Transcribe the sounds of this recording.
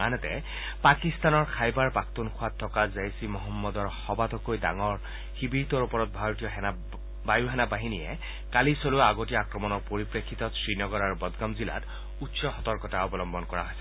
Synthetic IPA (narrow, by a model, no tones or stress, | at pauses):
anɛtɛ̰ | pakist̪anɔɹkʰajbaɹpak̚t̪unkʰʊwatʰːɔkazajsimɔɦɔmːɔd̪ɔɹxɔbat̪ʰɔkojdaŋɔɹ | xibiɹt̪ɔɹupɔɹɔt̚bʱaɹotijɔɦ | bajuɦɛnabaɦinijɛ | kalisoluaɡotiakɹɔmɔnɔɹpoɹipɹekʰːit̪ɔsɹinɔɡɔɹaɹubɔd̪ɡamzila̰t | utsɔxɔt̪ɔɹkɔtaɔbɔlɔmbɔnkɔɹa̰ɦojsɛ